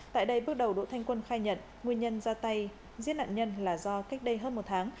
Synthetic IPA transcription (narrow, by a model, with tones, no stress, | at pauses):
t̪a̰ː˧˨jɗə˧jɓɨ˦˥ək̚ɗə˨˩wɗo̰˧˥t̪ʰa˧ŋ̟kwə˧nxaː˧jɲə̰˧˨n | ŋwi˧ənɲə˧nzaː˧t̪a˧j | zi˦˥na̰ː˧˨nɲə˧nlaː˨˩zɔ˧ka˦˥jk̚ɗə˧jɦəː˧nmo˨˩t̚t̪ʰaː˨˦ŋ